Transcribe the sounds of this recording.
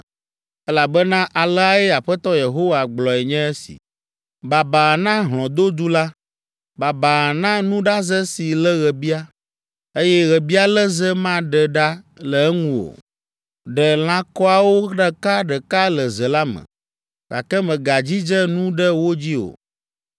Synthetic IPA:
ɛ˦la˨bɛ˦nã˦ʔa˨lɛ˦a˦ɛ˦a˨ɸɛ˦t̪ɔ˦je˨ɦo˦wa˨ɡ͡blɔ˨ɛ˨ɲɛ̃˦e˦sḭ˨ | ba˨ba˨nã˦ɦlɔ̃˨d̪o˦d̪u˦la˦ | ba˨ba˨nã˦nũ˦ɖa˦zɛ˦si˨lə˦ɣɛ˨bi˦a˦ | e˦jɛ˦ɣɛ˨bi˦a˦lə˦zə˦mã˦ɖɛ˨ɖa˦ | lə˨ɛ˦ŋũ˦o̰˨ | ɖɛ˨l̃ã˨kɔ˦a˨wo˦ɖɛ˨ka˦ɖɛ˨ka˦lə˨zə˨la˦mə̰̃˨ | ka̰˨kɛ˦mɛ̃˨ɡa˨d͡ʑi˦d͡ʒɛ˦nũ˦ɖɛ˦wo˦d͡ʑi˦o̰˨

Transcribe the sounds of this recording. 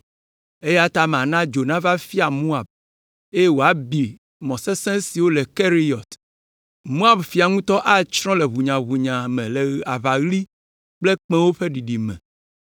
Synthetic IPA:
e˦ja˦t̪a˦m˨ã˨nã˦d͡ʒo˨nã˦va˦fi˦a˨mũ˦a˨b̚ | e˦je˦wo˨a˨bi˨ | mɔ̃˨sɛ˦sɛ̃˦si˨wo˦lɛ˨ke˦ɾi˦jɔ˨t̪ | mũ˦a˨bfi˨a˨ŋũ˦t̪ɔ˦ʔa˦˨t͡ʃɾ̃ɔ̃˦lɛ˨βu˨ɲã˨βu˨ɲã˨mɛ̃˨le˨a˨va˨ɣli˦ | k͡ple˦k͡pɛ̃˦wo˦ɸe˦ɖi˨ɖi˨mɛ̰̃˨

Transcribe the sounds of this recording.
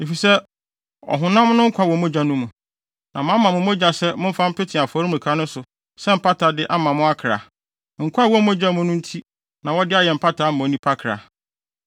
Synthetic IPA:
e˨fi˨sɛ˦ | ɔ̰˨ɦʊ̃˨nã˦m˦nʊ̃˦ŋ̩˦kʷʰa˦wɔ˨mõ˦d͡ʑa˦nũ˦mũ˨ | nã˨mã˦mã˨mʊ̃˨mʊ̃˦d͡ʑa˨sɛ˦mʊ̃˦m̩˦fã˦m̩˦pʰɪ˦tʰɪ̃˨a˨fɔ˨˦ɾi˦mũ˨kʰa˦nʊ̃˦sʊ˨ | sɛ˦m̩˨pʰa˦tʰa˨dɪ˦ʔa˦mã˨mʊ̃˦a˦kʰɾa̰˨ | ŋ̩˨kʰʷa˦wɔ˦mo˦d͡ʑa˦mʊ̃˦nʊ̃˦n̩˦tʰi˦ | nã˨wɔ˦dɪ˦a˦jɛ˨m̩˨pʰa˦tʰa˨˦m̩˦˨ɔ̃˨˦nĩ˦pʰa˦kʰɾa̰˨

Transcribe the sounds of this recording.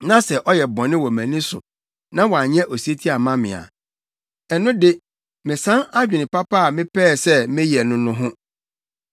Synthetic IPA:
nã˦sɛ˨ʔɔ˦jɛ˨bɔ̃˨nɪ̃˦wɔ˨mæ̃˨nĩ˦sʊ̰˨ | nã˦wa˨ɲɛ̃˦ʔɔ˨si˦e˦tʰi˦a˨mã˦mɪ̰̃˨a̰˨ | ɛ˨nʊ̃˦dɪ˦ | mɪ̃˨sã˦na˦d͡ʑᶣɪ˨nɪ̃˨pa˦pʰa˦a˨mɪ̃˦pʰɛː˦˨sɛ˦mɪ̃˦jɛ˨nʊ̃˦nʊ̃˦ɦʊ̃˦

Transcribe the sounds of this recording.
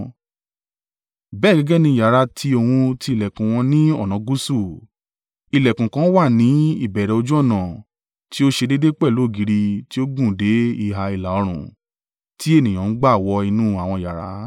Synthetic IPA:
bɛ˦˨ɡɛ˨˧ɡɛ˦nĩ˧˦˨ja˨ɾa˧˦tʰi˧o˧wũ˧ti˧i˧˨lɛ˨kũ˨w̃ɔ̃˧nĩ˦ɔ˦˨nã˨˦ɡu˦su˦˨ | i˨lɛ˨kũ˨kã˨˦wa˦˨nĩ˨˦i˦˨bɛ˨ɾɛ˨o˧d͡ʒu˦ɔ˦˨nã˨ | ti˦o˦ʃe˧de˦de˦k͡pɛ˦˨lo˨˦˨ɡi˨˦ɾi˧ti˦o˦ɡũ˦˨de˨˦i˦˨ɦa˧i˨la˨ɔ˧ɾ̃ũ˨ | ti˦e˦˨nĩ˨ã˨n̩˦ɡ͡ba˦˨wɔ˧i˧nũ˦a˨w̃ɔ̃˧˨ja̰˨ɾa̰˨˦

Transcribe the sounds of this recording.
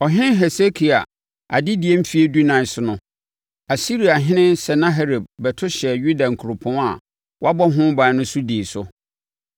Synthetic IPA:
ɔ˨ɦɪ̃˦nɦɛ˨se˦kʰi˨a˨ | a̰˨dɪ˦di˨e˦m̩˦fi˨˦e˦du˦nã˨ɪ˨sʊ˨nʊ̃˦ | a˨si˦ɾi˨a˨ɦɪ̃˦nɪ̃˦nsɛ˨nã˦ɦe˦ɾe˨b̚bɛ˨tʰʊ˦ɕɛ˨ɥu˦dã˨ŋ̩˨kʰu˨ɾʊ˨pʰʊ̃˦a˨ | wa˦bɔ˦ɦʊ̃˦bã˨˦nʊ̃˦sʊ˦diː˨sʊ˦

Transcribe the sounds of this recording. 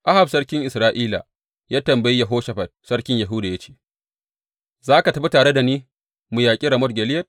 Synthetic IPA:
ʔa˦ha˨bsɐ˦ɽkʲɪ˦ŋʔɪ˨sɾaː˦ʔiː˦la̰˨ | jaː˦tɐ˨mbɐ˨ji˦ja˨ɦoː˦ʃa˨ɸɐ˨t̚sɐ˦ɽkʲɪ˦ɲja˨ɦʊ˦da˨jɐ˦t͡ʃe̥ː˦˨ | zaː˦ka˨tɐ˦ɸi˦taː˨ɽe˦da˨niː˦ | mu˨jaː˨kʲʼi˦ɾɐ˨mɔ˦t̚ɡʲɛ˨lɪ˦jɐ˦t̚

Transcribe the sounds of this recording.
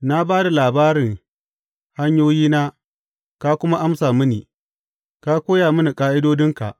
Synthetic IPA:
na˦baː˦da˨laː˨baː˦ɾɪ˨ŋ | ha˦ɲjoː˦jiː˦naː˦ | ka˦kʷʊ˦ma˦ʔa˦msaː˨mʊ˦niː˨ | ka˦kʷoː˦jaː˨mʊ˦ni˨kʼaː˦ʔɪ˦doː˦dɪ˦ŋka̰˨ʔ

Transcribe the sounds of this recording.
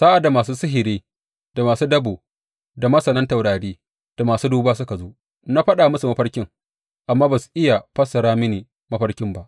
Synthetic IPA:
saː˦ʔa˨dːa˨maː˨suː˦sɪ˦ɦɪ˨ɾeː˦ | d̥a˨maː˨suː˦dɐ˦boː˨ | da˨mɐ˦sɐ˨nɐ˦nta˨wɽaː˨ɽeː˦ | d̥a˨maː˨suː˦duː˦baː˦s̬ʊ˦ka˨zoː˦ʔ | na˦ɸɐ˦ɗaː˨mʊ˦su˨mɐ˦ɸɐ˦rkʲɪ˦ŋ | ʔa˨mːaː˦ba˨su̥˨ʔɪ˦ja˨ɸɐ˦sɐ˨ɽaː˦mɪ˦niː˨ | mɐ˦ɸɐ˦rkʲɪ˦mba˦ʔ

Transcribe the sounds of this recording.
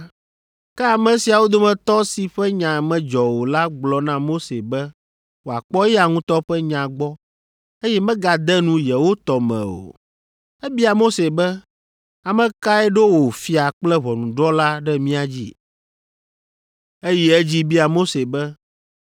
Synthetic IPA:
kɛ˦a˨mɛ̃˨si˨a˨wo˦d̪o˦mɛ̃˨t̪ɔ˦si˨ɸɛ˦ɲã˨mɛ̃˨d͡ʒɔ˨wo˨la˦ɡ͡blɔ˨nã˦mo˦se˨bɛ˦ | wo˨a˨k͡pɔ˦jɛ˦a˨ŋũ˦t̪ɔ˦ɸɛ˦ɲã˨ɡ͡bɔ˦ | e˦jɛ˦mɛ̃˦ɡa˨d̪ɛ˦nũ˦jɛ˨wo˦t̪ɔ˨mɛ̰̃˨o̰˨ | ɛ˦bi˦a˨mo˦se˨bɛ˦ | a˨mɛ̃˨ka˦ɛ˦ɖe˦wo˨fi˨a˨k͡plɛ˦βɔ˨nũ˨ɖɾɔ˦la˦ɖɛ˦mĩ˦a˨d͡ʑḭ˦ | e˦jɛ˦ɛ˦d͡ʑi˦bi˦a˨mo˦se˨bɛ˦

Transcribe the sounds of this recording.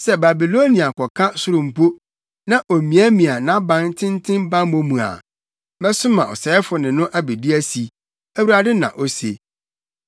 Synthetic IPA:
sɛ˦ba˨bi˨lo˦nĩ˨a˨kʰɔ˨kʰa˦sʊ˦ɾʊ̃˨m̩˨po˦ | nã˦ʔo˨mĩ˨æ˦mĩ˨a˨nã˦bã˨˦n˦tʰɪ̃˦n˦tʰɪ̃˦mbã˦mõ˦mũ˨a̰˨ | bɛ˦sʊ˦mã˨ɔ̰˨sɛ˨ɛ˦fʊ˨nɪ̃˨nʊ̃˦ʔæ˦be˨di˦æ˦si˨ | æ˦wu˨ɾa˨dɪ˦nã̰˨ʔɔ˨sḛ˨

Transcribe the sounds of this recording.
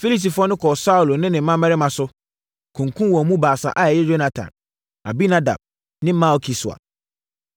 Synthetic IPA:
fi˦li˦s̬i˨fʊ˦ɔ˦nʊ̃˦kʰɔ˨sa˦u˨lo˨nɪ̃˦nɪ̃˨m̩˦mã˦mɛ˦ɾɪ˦mã˨sʊ˦ | kʰũ˨ŋkʰũ˦wɔ˨mũ˦baː˨sa̰˨ʔa˨˦ɛ˨jɛ˦d͡ʒo˦na˨tʰã̰˨n | a˨bi˦na˦da̰˨b̥̚ | nɪ̃˦m̩˦mã˦ɔ˨˦kʰi˨sʊ˨a̰˨

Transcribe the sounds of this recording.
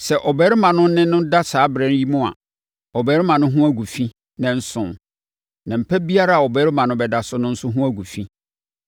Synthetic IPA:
sɛ˨ʔɔ˨bɛ˨˦ɾɪ˦mã˨nʊ̃˦n˦nɪ̃˦nʊ̃˦n˦da˦saː˨˦bɾɛ̃˦n˦ji˦mʊ̃˦a̰˨ | ɔ˨bɛ˨˦ɾɪ˦mã˨nʊ̃˦ɦũ˦æ˦ɡu˨fi˦ | nɛ̃˨n̩˦sʊ̃˨ | nã˨m̩˨pʰɛ˦bi˦a˦ɾa˦a˨ɔ˨bɛ˦ɾɪ˦mã˨nʊ̃˦bɛ˨da˨sʊ˦nʊ̃˦n̩˦sʊ˦ɦũ˦æ˦ɡu˨fĩ˦

